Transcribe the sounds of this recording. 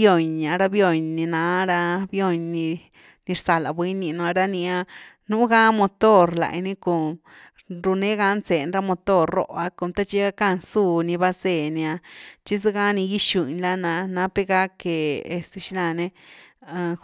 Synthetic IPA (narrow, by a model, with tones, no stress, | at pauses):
o˧˨ɲa˧ɾa˧bjo˦˧˨ɲnĩ˧nã˨˦ɾa˧bjo˦˧˨ɲnĩ˧ | nĩ˧ɾsa˧la˨bwi˦nĩ˧nũ˧a˧ɾa˦nĩ˧a˧ | nũ˦ɡa˦mo˧t̪o˦˨ɾla̰˨jnĩ˦ko˧˨ | ɾu˧nẽ˦ɡa˧˦nse˨˧nɾa˧mo˧t̪o˦˨ɾo̰˦˧ʔa˧ko˧˨nt̪a˦t͡ʃi˧˦a˧ka˦nsu˦˨nĩ˧βa˧se˧˨nĩ˧a˧t͡ʃi˦s̬i˦ɡa˦nĩ˧ji˦ʃu˧˨ɲla˦nã˧nã˧˦pe˦ɡa˦ke˨e˧st̪u˧ʃi˦la˧nẽ˧